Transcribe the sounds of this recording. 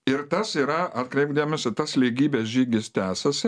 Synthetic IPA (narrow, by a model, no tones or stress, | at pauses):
ɪɾt̪ɐsiːɾɐɐt̪kɾʲɛɪpd̪ʲiːmʲɛsʲɪt̪ɐslʲiɡʲiːbʲɛsʒʲiːɡʲɪst̪ʲæːsɐsʲɪ